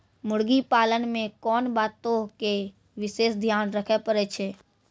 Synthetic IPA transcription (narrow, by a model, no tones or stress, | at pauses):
mʊɽɡipaːlənmẽkɔːnbaːt̪ːoke | ʋɪseːsd̪ʱjaːnɾəkʰepəɾet͡ʃʰeː